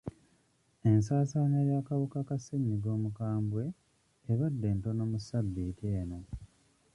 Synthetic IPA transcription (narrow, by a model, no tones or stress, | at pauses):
e̞nsaːsaneɾjaːkaβokakaseɲːiɡo̞ːmukaːmbwe̞ː | βadːe̞ːnto̞no̞ːmusabːiːteːno̞